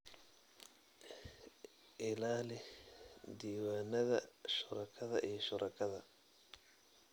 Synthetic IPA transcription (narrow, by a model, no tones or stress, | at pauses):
ʔɪlaːlɛ | d̪iːwaːnɐðɐʃʊɾɐkʰɐðɐʔijɔʃʊɾʔɐkʰɐðɐ